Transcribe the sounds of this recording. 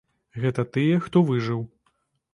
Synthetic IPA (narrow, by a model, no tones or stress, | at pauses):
ɣɛt̪ɐt̪ɨjɛxt̪ɔvɨʐɨw